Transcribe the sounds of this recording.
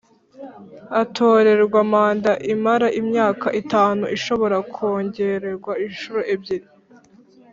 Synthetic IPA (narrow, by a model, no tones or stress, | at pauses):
atʰo̞ːɾe̞ɾɡwamaːndaʔimaɾaʔimɲaːkaʔitaːnuʔiʃo̞βo̞ɾakʰoːɲɟe̞ɾeɾɡwainʃuɾoʔebɟiɾi